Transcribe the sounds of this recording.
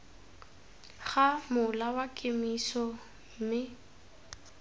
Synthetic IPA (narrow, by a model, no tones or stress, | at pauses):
ɣamʊlawakʼɪmisɔ | m̩mɪ